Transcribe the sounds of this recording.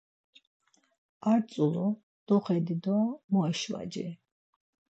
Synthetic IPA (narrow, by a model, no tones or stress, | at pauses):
aɾt̪sʼulɔ | d̪̥ɔχɛd̪id̪ɔmɔɛʃwa̰d͡ʒɛ̰